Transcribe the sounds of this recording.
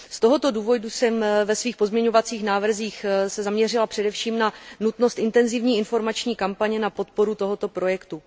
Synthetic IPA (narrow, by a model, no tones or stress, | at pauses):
st̪o̞ɦo̞t̪o̞duːvo̞dusɛmvɛsviːxpo̞zmɲɛɲo̞vat͡siːxnaːvr̩ziːxsɛzamɲɛr̝ɪlapr̥ɛdɛfʃiːmnanut̪no̞st̪ʔɪnt̪ɛnzɪvɲiːɪnfo̞ɾmat͡ʃɲiːkampaɲɛnapo̞t̪̚po̞ɾut̪o̞ɦo̞t̪o̞pɾo̞jɛkt̪u